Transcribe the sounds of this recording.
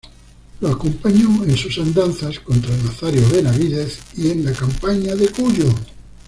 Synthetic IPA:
loakompaɲoensusand̪anθaskont̪ɾaelnaθaɾjoβenaβiðeθienlakampaɲaðekuʎo

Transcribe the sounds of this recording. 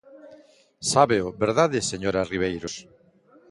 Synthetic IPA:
saβeobeɾðaðɪseɲoɾariβ̞ejɾos

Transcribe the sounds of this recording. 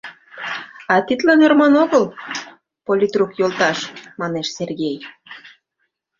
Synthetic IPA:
ɑt̪it̪lɑnermɑnoɣəl | polʲit̪rukjolt̪ɑʃmɑneʃserɣej

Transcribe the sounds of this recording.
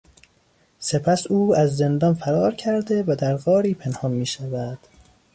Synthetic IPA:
se̞pʰæsuːæzːe̞nd̪ɒːnfæɾɒːɾcʰæɾd̪e̞væd̪æɾɣɒːɾiːpʰe̞nhɒːnmiːʃævæd̪̥

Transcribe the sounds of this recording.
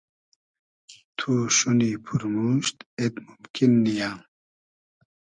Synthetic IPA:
t̪ʰuːɕuniːpʰuɾmuːɕt̪et̪mumkinːijaː

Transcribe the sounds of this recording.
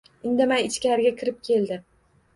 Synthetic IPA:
ɪnd̪ɪmajɪt͡ʃkʲaɾɪɡʲakʲʰɪɾɪp̚kʲʰe̞ld̪ɪ

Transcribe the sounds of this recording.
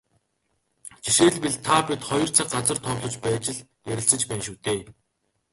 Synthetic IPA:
t͡ɕʰiʃeːɮpiɮt̪ʰːapʲit̪χɔjɞ̆r̥t͡sʰăqɢat͡sə̆rt̪ʰɔwɮɞ̆t͡ɕpæːt͡ɕɪ̆ɮ | jæɾʲɪ̆ɬt͡sə̆t͡ɕpæːnʃuːt̪eː

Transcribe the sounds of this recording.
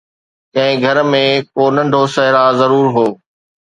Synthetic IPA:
kɐ̃ɦɪ̃ɡʱɐɾmẽkoːnɐ̃ɳɖʱosɐɦɪɾazɐɾuːɾɦoː

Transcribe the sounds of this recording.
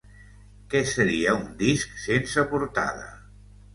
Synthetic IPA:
kɛsəɾiəund̪isksensəpuɾt̪a̰ðə̰

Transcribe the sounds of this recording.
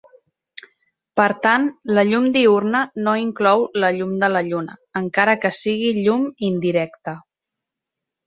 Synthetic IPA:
pəɾt̪anləʎumd̪iurnənoiŋklɔwləʎumd̪ələʎunəːŋkaɾəkəsiɣiʎumind̪iɾɛkt̪ə

